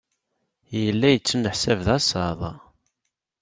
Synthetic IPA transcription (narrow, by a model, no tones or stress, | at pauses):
jəlːæjət͡sːənəħsævðɑsɑðˤ